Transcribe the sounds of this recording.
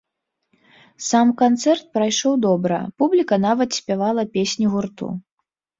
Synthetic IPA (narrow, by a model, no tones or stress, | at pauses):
samkant̪sɛrt̪̚pɾajʂɔwd̪ɔbɾɐ̰publʲikɐnavɐt̪sʲpʲavalˠɐpʲesʲnʲiɣurt̪ṵ